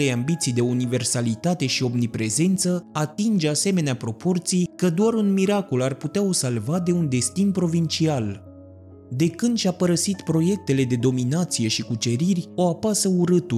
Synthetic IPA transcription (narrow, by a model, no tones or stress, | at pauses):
ejambit̪sijd̪e̞unive̞rsalit̪at̪e̞ʃio̞mnipɾe̞ze̞nt̪səat̪ind͡ʒase̞me̞neapɾo̞po̞rt̪sijkəd̪oaɾunmiɾako̞larput̪eao̞salvad̪e̞und̪e̞st̪inpɾo̞vint͡ʃial | d̪e̞kɨnd̪ʃʲapəɾəsit̪pɾo̞je̞k̚t̪e̞le̞d̪e̞d̪o̞minat̪sije̞ʃikut͡ʃe̞ɾirʲo̞apasəuɾɨt̪u